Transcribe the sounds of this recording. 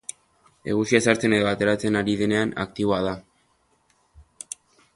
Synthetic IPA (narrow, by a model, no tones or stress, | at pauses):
e̞̰ɣ̞usiasaɾt͡se̞ne̞ðo̞at̪e̞ɾat͡se̞naɾiðe̞ne̞ana̰kt̪iβo̞að̞a